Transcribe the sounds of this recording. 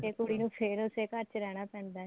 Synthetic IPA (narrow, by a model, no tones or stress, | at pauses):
eːkoːɽiːnũːpʰɪɾʊseːkəɾt͡ʃɾɛːɽ̃aːpɛ̃ːnd̪aː